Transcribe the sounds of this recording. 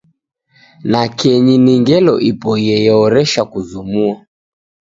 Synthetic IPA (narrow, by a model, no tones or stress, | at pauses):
nakɛɲiniŋɡɛlɔ̰ʔipɔjɛjɛɔɾɛʃakuzumua